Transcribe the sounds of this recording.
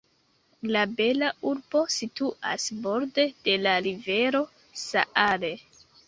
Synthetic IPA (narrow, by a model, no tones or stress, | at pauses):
labe̞lauɾb̥o̞situa̰sbo̞ɾde̞d̥e̞laɾive̞ɾo̞ | sa̰ʔaɾe̞